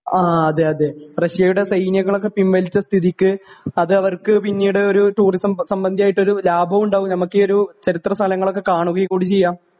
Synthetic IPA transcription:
aːɐðɨɐðerɐɕijɐjuɽe̞sɐjnjɐŋːɐɭo̞kːe̞pimʋɐlit͡ɕːɐst̪ʰiðikʲːɨɐðɨɐʋɐrkɨpinːiːuɽeo̞ɾuʈuːrisɐmsɐmbɐnd̪ʱijaːjiʈːo̞ɾulaːbʱɐʋuɳɖaːʋumnɐmɐkːɨo̞ɾut͡ɕɐɾit̪rɐst̪ʰɐlɐŋːɐɭo̞kːe̞kaːɳuɣɐjikːuːɽit͡ɕejːaːm

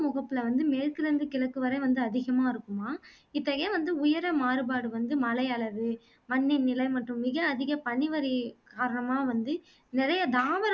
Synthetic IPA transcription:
mʊɣɐpːɯlɐʋɐnd̪ɯmeːɾkɯɾɐnd̪ɯkɪlɐkːɯʋɐɾɐʋɐnd̪ɯɐðɪɣɐmaːɪɾɯkːɯmaː | ɪt̪ːɐɣeːʋɐnd̪ɯʊjɐɾɐmaːɾɯbaːɽɯʋɐnd̪ɯmɐlɐɪɐɭɐʋɯ | mɐɳːɪnːɪlɐɪmɐʈːɯ̃mːɪɣɐːðɪɣɐpɐɳɪʋɐɾikaːɾɐɳɐmaːʋɐnd̪ɯ | nɪɾɐjɐd̪aːʋɐɾ

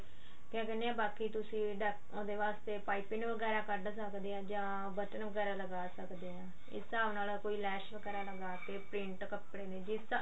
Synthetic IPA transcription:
kɛ̃ːkɛneãːbaːkiːt̪ʊsĩːɖək | õːd̪eːʋaːst̪eːpaːipɪnʋəɡɛːɾaːkəɖsəkd̪eːãːd͡ʒãː | bəʈənʋəɡɛːɾaːləɡaːsəkd̪eːɦãː | ɪ̰sːaːʋnaːlakoːiːlɛːʃʋəɡɛːɾaːləɡaːkeːpɾɪ̃ɳʈkəpɽeːneːd͡ʒɪs

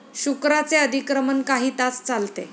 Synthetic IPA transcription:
ɕukɾat͡seəd̪ʱikɾəmənkaɦiːt̪at͡st͡salt̪e

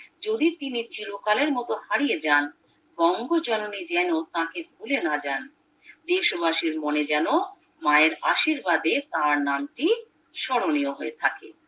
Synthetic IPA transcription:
d͡ʑod̪it̪init͡ɕilokaleɾmɔt̪ohaɽijed͡ʑan | bɔŋɡod͡ʑɔnonid͡ʑɛnot̪ãkebʱulenad͡ʑan | d̪eʃobaʃiɾmoned͡ʑɛno | maeɾaʃiɾbad̪et̪ãɾnamʈi | ʃɔɽonioɦoet̪ʰakḛ

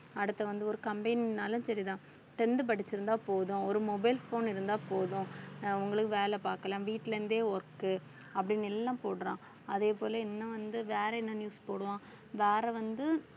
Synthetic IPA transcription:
ɐɽɯt̪ːɐʋɐnd̪ɯɔɾɯkɐmbɐɪnnaːlʊ̃sɐɾiðãː | ʈɛnd̪ɯp̬ɐɽɪt͡ʃːɪɾɯnd̪aːpoːðʊ̃ɔɾɯmɔbɐɪlfoːnɪɾɯnd̪aːpoːðʊ̃ʊŋɡɐɭɯkːɯʋeːlɛpaːɾkɐlãːʋiːʈːɪlɐɾɯnd̪eːɔɾkːɯ | ɐpːɐɽɪnɛlːãːpoːɽɾãː | ɐðeːpoːlɐɛnːɐʋɐnd̪ɯʋeːɾɛɛnːɐnjuːspoːɽɯʋãː | ʋeːɾɛʋɐnd̪ɯ

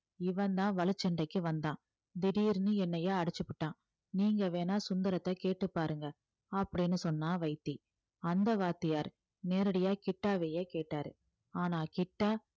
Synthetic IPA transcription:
ɪʋɐ̃nd̪ãːʋɐlɯt͡ʃːɐɳɖɐɪkːɯʋɐnd̪ãː | d̪ɪɽiːɾnɯɛnːɐjeːɐɽɯt͡ʃːɯpːɪʈːãː | niːŋɡɐʋeːnaːsʊnd̪ɐɾɐt̪ːɐkeːʈːɯpːaːɾɯŋɡɐ | ɐpːɐɽɪnːɯsɔnːaːʋɐɪt̪ːi | ɐnd̪ɐʋaːt̪ːɪjaːɾ | neːɾɐɽɐjaːkɪʈːaːʋeːjeːkeːʈːaːɾɯ̰ | aːnaːkɪʈːaː

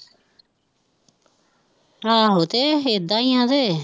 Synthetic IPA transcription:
aːɦoːt̪eːeːd̪aːĩjãːd̪eː

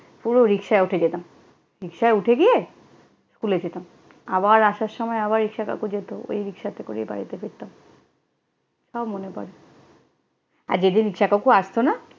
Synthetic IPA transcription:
puɾoɾikʃaeuʈʰed͡ʑet̪am | ɾikʃaeuʈʰeɡije | skʰuled͡ʑet̪am | abaɾaʃaɾʃɔmɔeabaɾːikʃaka̰kud͡ʑet̪oo̰jɾikʃat̪eko̰ɾḭjba̰ɾit̪efeɾt̪am | ʃɔbmonepɔ̰ɾe | a̰ɾd͡ʑed̪inɾikʃakakuaʃt̪ona

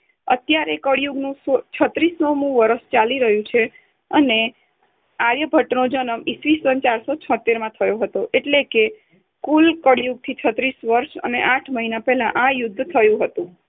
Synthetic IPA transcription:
ə̰t̪jaɾekəɽjuɡnũsot͡ʃʰət̪ɾisnomũʋəɾəʃt͡ʃaliɾəɦjũt͡ʃʰe | əne | aɾjəbʱəʈnod͡ʒənəmisʋisənt͡ʃaɾsot͡ʃʰə̃t̪ːeɾmãt̪ʰəjoɦət̪oʔeʈleke | kulkəɽjuɡ̚t̪ʰit͡ʃʰət̪ɾisʋəɾʃə̰neʔaʈʰməɦinapɛɦlãʔãjʊd̪ʱːt̪ʰəjũɦət̪ũ

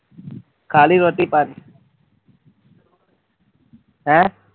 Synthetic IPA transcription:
kʰaːliɾot̪ipani | ɦɛ̃

